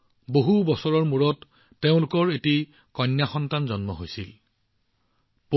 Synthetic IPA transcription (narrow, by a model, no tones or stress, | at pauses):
boɦubɔsɔɹɔɹmuɹɔtː | eʊ̃lʊkɔɹeti | kɔnːjaxɔntanzɔnmɔɦojsil | p